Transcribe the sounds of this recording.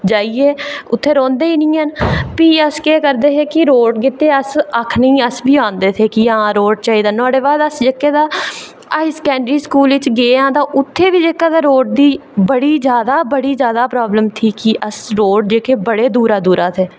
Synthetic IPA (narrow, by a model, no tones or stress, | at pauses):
d͡ʒaːiːeːʊt̪ʰːeːɾɔ̃ːnd̪eːiːnĩːɦənpiːəskeːkəɾd̪eːt̪eːkɪɾoːɖkɪt̪eːəsəkʰnĩːəsbiːãːnd̪eːt̪ʰeːkɪãːɾoːɖt͡ʃaːiːd̪aːnʊaːɽeːbaːd̪əsd͡ʒekːeːd̪aː | əɪskɛ̃ːɳɖɾiːskuːlʋɪt͡ʃɡeːãːd̪aːʔʊt̪ʰːeːʋiːd͡ʒekːaːd̪aːɾoːɖ̚d̪iːbəɽiːd͡ʒjaːd̪aːbəɽiːd͡ʒjaːd̪aːpɾaːbləmt̪ʰiːkɪʔəsɾoːɖd͡ʒeːkeːbəɽeːd̪uːɾaːd̪uːɾaːt̪ʰeː